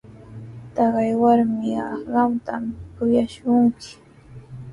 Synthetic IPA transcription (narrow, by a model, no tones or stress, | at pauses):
t̪ɑɢɑjwaɾmɪɑɢɑwt̪amkʊjaʃʊŋkɪ̥